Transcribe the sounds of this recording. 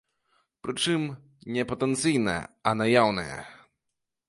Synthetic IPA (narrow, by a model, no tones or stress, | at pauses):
pɾɨt͡ʂɨm | nʲɛpɐt̪ɛnt̪sɨjnɛ̰ɛ̰anajawnɨ̰jɛ̰